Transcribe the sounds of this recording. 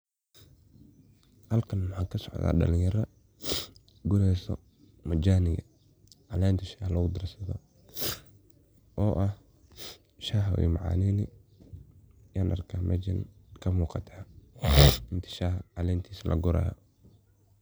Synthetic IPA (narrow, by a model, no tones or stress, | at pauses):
hɐlkʰɐnwʊħaːkʰɐsɔʕða̰ːɗɐ̰lɪjɐɾɐ | ɡʊɾɛjsɔ̰ | mɐd͡ʒaːnɪɣɐ | ʕɑlɛːnt̪ʰɐʃaːhlɐɣʊd̪ɐrsɐðɔ̰ | ʔɔːʔɐh | ʃaːɦwɛ̰mɑʕa̰ːniːnɪ | jaːnʔɐ̰rkʰaːmʔɐ̰d͡ʒɐ̰nkʰɐmuːqɑt̪ʰaː | ɪnt̪ʰi̥ʃaːhʕɑlɛːnt̪ʰiːsɐlʔɐ̰ɡʊɾa̰ːjɔ̰